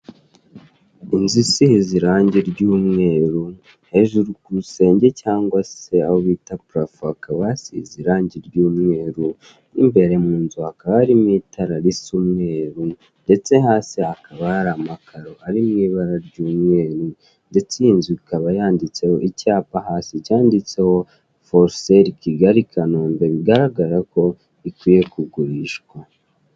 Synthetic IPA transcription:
inzisihiziɾaːɲɟeɾɟuːmŋe̞ːɾu | he̞ʒuɾukuse̞ːɲɟe̞caːŋɡwase̞ahoβitapuɾafuakʰaβaasihiziɾaːɲɟiɾɟuːmŋe̞ːɾu | nḭmbe̞ɾe̞muːnzuakaβaɾimitʰaɾaɾisumŋe̞ːɾu | nde̞t͡se̞ɦaːsiakaβaaɾamakʰaɾo̞aɾimŋiːβaɾaɾɟuːmŋe̞ːɾu | nde̞t͡seinzikaβajaːndit͡se̞ho̞icaːpaɦaːsicaːndit͡se̞ho̞ | foɾseɾikʰiɡaɾikʰanoːmbe̞βiɡaɾaɡaɾako̞ | ikwiːje̞kuɡuɾiʃɡwa

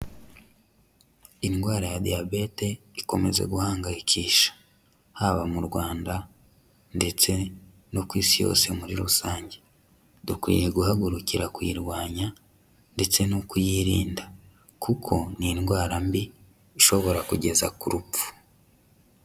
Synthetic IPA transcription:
inɡwaːɾajadijabe̞te̞iko̞me̞̰ze̞̰ɡuhaːŋɡajikʰiːʃḁ | haβamuɾɡwaːnda | nde̞t͡se̞ | nokwiːsijo̰ːse̞muɾiɾusaːɲɟe̞ | dukwḭjeɡuhaɡuɾuciɾakwiːɾɡwaːɲa | nde̞t͡se̞nokujiɾiːnda | kukʰo̞ninɡwaːɾambiː | ʃo̞βo̞ɾakuɟe̞zakuɾupu̥

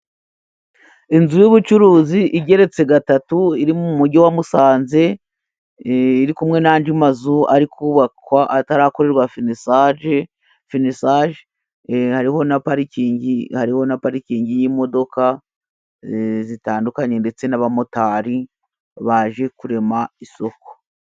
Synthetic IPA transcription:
inzujuβut͡ʃuɾuːziʔiɟe̞ɾe̞t͡se̞ɡatatuiɾimuuumuɾɟowamusaːnze̞ | iɾikumŋe̞naːnd͡ʒimazua̰ɾikʰuːβakwaʔataɾako̞ɾe̞ɾɡwafinsaʒ | finisaʒe | haɾiho̞napaɾiciːɲɟihaɾiho̞napaɾikiːɲɟijimo̞do̞ka | zitaːndukaɲe̞nde̞t͡se̞naβamotaɾi | βaʒe̞kuɾe̞maiso̞ko̥

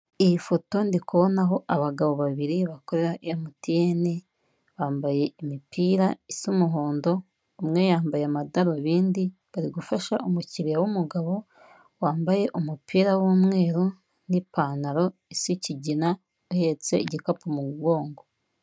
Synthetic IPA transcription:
iifo̞to̞ndikuβonaɦo̞ʔaβaɡaβo̞βaβiɾiβako̞ɾe̞ɾaʔijamutijene | βaːmbaje̞imipiːɾaisumuɦoːndo̞ː | mŋe̞jaːmbajeamadaɾoβiːndiβaɾiɡufaʃaʔumuciɾijawumuɡaβo̞ | waːmbaje̞ʔumupiːɾawumŋe̞ːɾo | nipaːnaɾo̞isiciɟina | uhe̞t͡se̞̰iɟikapumuɡwo̞ːŋɡo̞

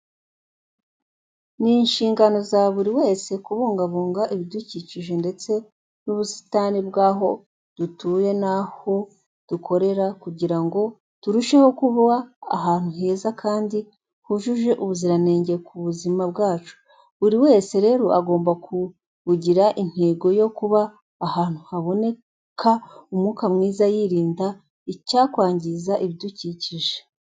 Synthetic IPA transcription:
niːnʃiːŋɡano̞zaβuɾiwe̞ːse̞kuβoːŋɡaβoːŋɡaʔiβiduciciʒe̞nde̞t͡se̞ | nuβusi̥tanibɡaːɦo̞ | d̥utuːje̞naho̞ | d̥ukʰo̞ɾe̞ɾakuɟiɾaŋɡo̞ | tuɾuʃe̞ho̞kuβa̰ːɦaːn̥huɦe̞ːzakʰaːndi | huʒuʒe̞ʔuβuziɾane̞ːɲɟekʰuβuzimabɡaːt͡ʃu̥ | βuɾiwe̞ːse̞ɾe̞ːɾo̞aɡo̞ːmbakʰu | βuɟiɾaʔin̥he̞ːɡo̞jo̞kuβaː | haːn̥huhaβo̞ne̞ | kʰaumuːkamŋiːzajiɾiːnda | icaːkwaːɲɟizaʔiβduciciʒe̥

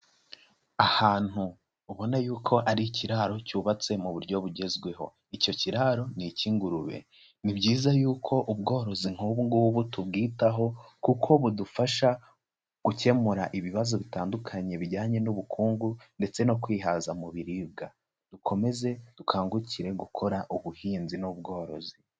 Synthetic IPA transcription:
ahaːn̥huː | βo̞najuːkʰo̞ʔaɾiciɾaɾo̞cuːβat͡se̞muβuɾɟo̞βuɟe̞zɡwe̞ɦo̞̰ | ico̞ciɾaɾo̞niciːŋɡuɾuβe̞̰ | nibɟiːzajuːkʰo̞ʔubɡo̞ːɾo̞ziŋ̥huβuŋɡuwuβutub̚ɡiːtaɦo̞kukʰo̞βudufaʃa | ɡ̥uce̞muɾaʔiβiβazoβitaːndukʰaɲe̞βiɟaːɲe̞nuβukʰuːŋɡunde̞t͡se̞no̞kwiːɦazamuβiɾiːb̚ɡa | d̥ukʰo̞me̞ze̞d̥ukʰaːŋɡuciɾe̞ɡukʰo̞ɾaʔuβuhiːnzinob̚ɡo̞ːɾo̞̰zi

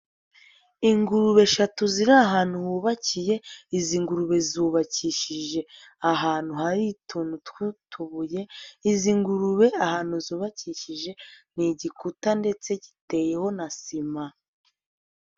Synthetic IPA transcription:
iŋɡuɾuβe̞ʃatuziɾaːɦaːn̥huhuːβacije̞iziŋɡuɾuβe̞zuːβaciʃiʒe̞aɦaːn̥huhaɾitʰunutwutʰuβuje̞iziŋɡuɾuβe̞ahaːnhuzuːβaciʃiʒe̞niɟikutande̞t͡se̞ɟi̥te̞je̞ho̞nasima

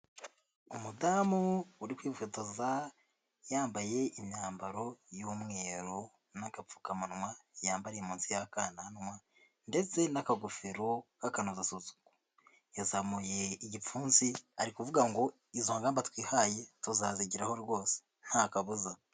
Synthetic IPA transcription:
umudaːmuːɾikwiːfutaza | jaːmbaje̞imɲaːmbaɾo̞jomŋe̞ːɾo | naɡafu̥kamanŋwajaːmbaɾiemuːnsijakananŋwa | nde̞t͡se̞nakaɡufiɾokakanozasuzu̥ɡo | jazamuje̞iɟifuːnziaɾikuvuɡaŋɡo̞ | izoaŋɡaːmbatwiːhaje̞tuzaziɟiɾahoɾɾwo̞ːse̥ | n̥hakaβuza

